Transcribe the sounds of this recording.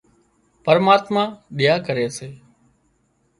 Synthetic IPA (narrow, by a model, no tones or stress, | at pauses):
pəɾmaːt̪mãːɗɪjaːkəɾeːseː